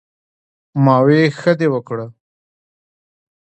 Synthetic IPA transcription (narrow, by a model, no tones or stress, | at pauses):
mɑːwexəd̪ewəkɽə